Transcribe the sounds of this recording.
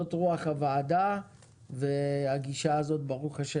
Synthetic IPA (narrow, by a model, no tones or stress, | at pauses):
otʁuaχhavaːda | vehaɡiʃaːzo̞tbaʁuχaʃe